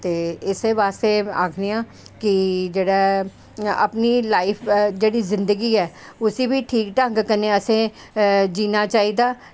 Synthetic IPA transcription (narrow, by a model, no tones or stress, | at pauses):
t̪eːɪseʋaːst̪eːaːkʰnɪjãː | kɪd͡ʒeːɽaː | ə̰pniːlaːɪpʰd͡ʒeːɽiːzɪ̃nd̪əɡiːɛː | ʊsiːbiːʈʰiːkʈə̃ŋɡkənẽəsẽː | d͡ʒiːnaːt͡ʃaːiːd̪aː